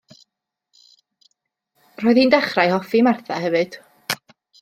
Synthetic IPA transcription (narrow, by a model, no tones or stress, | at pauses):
roːɨðhiːndɛχrajhɔfimarθahɛvɨd̥